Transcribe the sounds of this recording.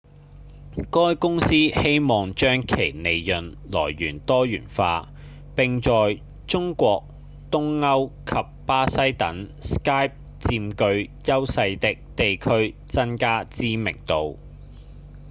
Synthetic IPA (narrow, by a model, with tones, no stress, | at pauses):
kɔː˥jkʊ˥ŋsiː˥he˥jmɔː˨˩ŋt͡ʃœː˥ŋkʰe˨˩jne˨jjɵ˨n | lɔː˨˩jːyː˨˩nt̪ɔː˥jyː˨˩nfa̰ː˧ | pɪ˨ŋt͡sɔː˨j | t͡sʊ˥ŋkʷɔː˧k̚ | t̪ʊ˥ŋːɐ˥wkʰɐ˨p̚paː˥sɐ˥jt̪ɐ˨˥ŋskaː˥jp̚ | t͡siː˧mkɵ˧ɥjɐ˥wsɐ˧jt̪ɪ˨˥k̚t̪e˨jkʰɵ˥ɥt͡sɐ˥nkaː˥t͡siː˥mɪ̰˨˩ŋt̪o˧w